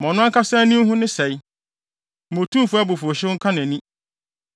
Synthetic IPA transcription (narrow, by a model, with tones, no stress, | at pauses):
mɔ̃˨nʊ̃˦a˦kʰa˦sã˦nĩ˦ɦʊ̃˦nɪ̃˦sɛ˨j | mõ˨tʰũ˦˨fʊ˦a˦bʊ˨fʊ˨ɕɪ˦ŋ̩˦kʰa˦nɛ̃˨nĩ˦